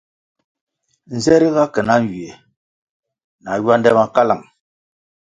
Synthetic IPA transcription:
n̩˨zɛ˦ɾi˦ɣa˦kə˨na˦n˨wi˨e˨ | na˨jwa˦ndɛ˦ma˨ka˦la˨ŋ

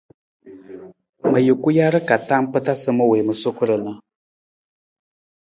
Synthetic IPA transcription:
mɨ˨jɨ˨ku˦ja˦ɾɨ˦ka˨ta˦m˦pɨ˦ta˦sɨ˦mɨ˦we˨mɨ˨su˦kɨ˦ɾɨ˨nɨ˦

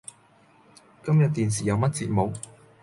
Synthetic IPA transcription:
kɐ˥mjɐ˨t̚t̪iː˨ns̬iː˨jɐ˨˧wmɐ˥t̚t͡sḭː˧t̚mo˨˧w

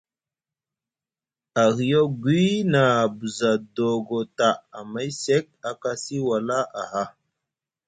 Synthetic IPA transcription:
a˨ɣi˨jo˦ɡwi˦na˨bu˨za˨do˨ɡo˨ta˨a˨ma˦jse˦k̚a˨ka˦si˦wa˨la˦ʔa˨ɦa˦

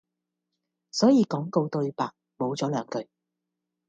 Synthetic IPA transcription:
sɔː˨˥jiː˨˧kɔː˨˥ŋko˧wt̪ɵ˧ɥpaː˨k̚ | mo˨˧wt͡sɔː˨˥lœː˨˧ŋkɵ˨˧ɥ

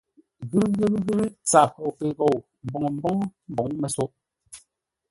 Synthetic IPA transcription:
ɣɨ˦ɾɣe˦bɣɨ˦ɾt͡sa˨ko˨ke˨ɣo˨w | m̩˨bɔ˨ŋ˨m̩˦bɔ˦ŋ˦m̩˦bɔ˨ŋ˦mɛ˨so˦ʔ

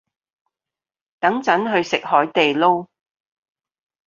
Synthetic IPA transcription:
t̪ɐ˨˥ŋt͡sɐ˨˥nɦɵ˧ɥsɪ˨k̚hɔː˨˥jt̪e˨jlo˥w

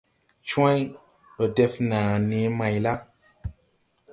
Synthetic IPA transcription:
t͡ʃũ˦ã˦j | ɗo˨dɛ˦fnãː˨neː˨˦mã˨jla˦

